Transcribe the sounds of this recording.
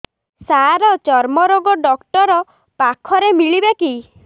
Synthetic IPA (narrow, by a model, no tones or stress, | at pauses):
saɾɔt͡ʃɔɾmɔɾoɡɔɖɔkʈɔɾɔ | pakʰɔɾemiɭibeki